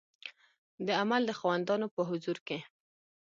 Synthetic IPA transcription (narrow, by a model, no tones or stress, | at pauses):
d̪əamald̪əxɑwand̪ɑnopəɦʊzuɾke